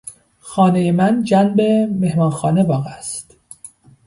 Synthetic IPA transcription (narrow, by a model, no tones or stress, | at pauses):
xɒːnejemænd͡ʒænbe̞mehmɒːnxɒːne̞bɒːɣæst̪